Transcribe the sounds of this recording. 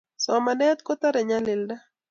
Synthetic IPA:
soa˨manɛ˦a˦t̪̚ko˦t̪a˦ɾe˨ɲa˦le˨lda˦

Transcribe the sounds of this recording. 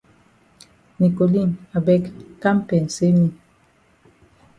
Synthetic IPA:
ni˨ko˨li˦˨na˨bɛ˦kka˦m˦pɛ˨n̩˨se˦ni˨

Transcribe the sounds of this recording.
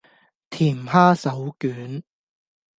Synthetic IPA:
t̪ʰiː˨˩mhaː˥sɐ˨˥wkyː˨˥n

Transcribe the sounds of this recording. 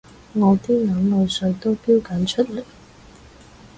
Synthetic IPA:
ŋɔː˨˧t̪iː˥ŋɐ˨˥ŋlɵ˨˧ɥsɵ˧t̪o˥wpiː˥wkɐ˨˥nt͡ʃʰɵ˥t̚lɛ˨˩

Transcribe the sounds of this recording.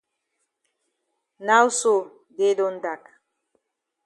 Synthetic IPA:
na˦wso˨ | de˦dond̪a˨k

